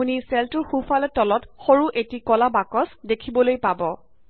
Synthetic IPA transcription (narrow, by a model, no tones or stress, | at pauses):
unisɛltʊɹxufalɛtɔlɔtxoɹuʔetikɔlabakɔsdekʰibɔlojpabɔ